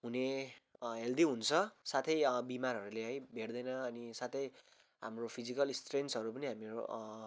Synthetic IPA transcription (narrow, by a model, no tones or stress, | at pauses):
ɦune | ɦeld̪iɦunt͡sʰʌsat̪ʰʌjbimarɦʌɾuleɦʌ̃jbʱeɽd̪ʌjnʌːnisat̪ʰʌj | ɦa̰mropʰid͡zikʌlstrensɦʌɾupʌniɦamio̰